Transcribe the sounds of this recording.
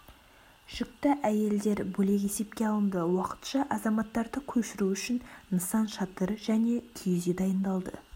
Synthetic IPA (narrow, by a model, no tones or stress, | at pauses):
ʃʏk̚t̪ɪʔæje̞ld̪e̞ɾbɵle̞k̬ʲe̞se̞p̚kʲe̞ɑlˠənd̪əwɑqə̥t̪ʃɑʔɑzɑmɑt̪ːɑɾd̪əkʲʰɵʃɪɾuʏʃɪnnəsɑnʃɑt̪əɾʒæne̞kʲʰijzed̪ɑjənd̪ɑlˠd̪ə̰